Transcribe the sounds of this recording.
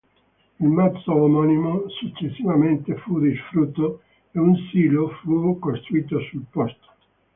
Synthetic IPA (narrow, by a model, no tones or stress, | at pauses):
ilmat̪soːmɔnimosut͡ʃːesːivament̪efud̪isfɾut̪ːo | eunsiːlofukost̪ɾuiːt̪osulpɔst̪o̥